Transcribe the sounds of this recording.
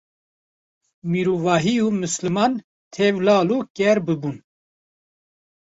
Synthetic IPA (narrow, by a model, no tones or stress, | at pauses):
miɾuvɑːɦiuːmɨslɨmɑːn | t̪ʰɛvlɑːluːkɛɾbɨbun